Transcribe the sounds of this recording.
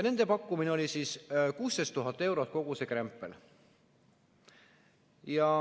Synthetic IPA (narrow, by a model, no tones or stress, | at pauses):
ne̞nd̪̥e̞pɑkːˑumineo̞lʲisiːskuːst̪est̪uɦɑt̪ːˑe̞wɾot̪̚ko̞ɡ̥usekrempːˑḛl | jɑ